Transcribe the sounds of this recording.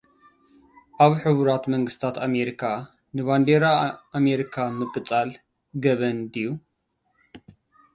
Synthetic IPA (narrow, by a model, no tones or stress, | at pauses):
ʔaβħɨβuɾat̪mɐŋɡɨst̪ʰat̪ʰame̞ɾikʰa | nɨβand̪eɾaːmeɾikʰamɨkʼɨt͡sʼal | ɡɐβɐnd̪iju